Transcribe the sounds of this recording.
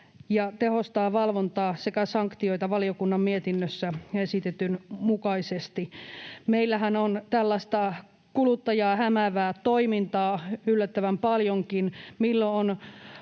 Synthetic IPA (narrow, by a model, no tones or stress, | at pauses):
jɑt̪ehost̪ɑːʋɑlʋont̪ɑːsekæsɑŋkt̪ioit̪ɑʋɑliokunːɑmmiet̪inːøsːæesit̪et̪ynmukɑisest̪imeilːæhænont̪ælːɑst̪ɑ | kulut̪ːɑjɑːhæmæʋæːt̪oimint̪ɑːylːæt̪ːæʋæmpɑljoŋkinmilːoon